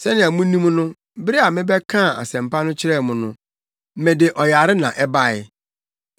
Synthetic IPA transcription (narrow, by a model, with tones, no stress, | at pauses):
sɛ˦nɪ̃˨a˨mʊ̃˦nĩ˦m˦nʊ̃˦ | bɪ˦ɾi˦a˨mɪ̃˦bɛ˦kʰã˦˨a̰˨sɛ̃˨m˨pʰa˦nʊ̃˦t͡ɕʰɪ˦ɾɛ˦˨mʊ̃˨nʊ̰̃˦ | mɛ̃˨de˨ʔɔ˨ja˨ɾɪ˦nã˨ʔɛ˦ba˦ɪ˦˨